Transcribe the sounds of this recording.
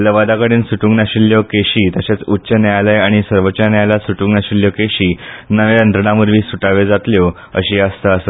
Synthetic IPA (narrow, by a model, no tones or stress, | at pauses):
ləʋad̪akəɽiːnsuʈũŋɡnaɕilːjɔkeɕiːt̪əɕat͡sutːɕənaalajaɽ̃isəɾʋət͡ɕanjalasuʈũŋɡnaɕiljɔkeɕiːnəʋjand̪ɾəɽamuɾʋiːsuʈaʋed͡zat̪ljo | ə̰ɕiːəst̪əəsə